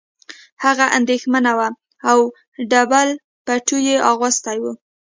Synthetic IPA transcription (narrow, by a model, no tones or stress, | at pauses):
haɣaʔa̰nd̪exmanawa | aw | ɖabal | paʈujeʔɑɣɑst̪ajwu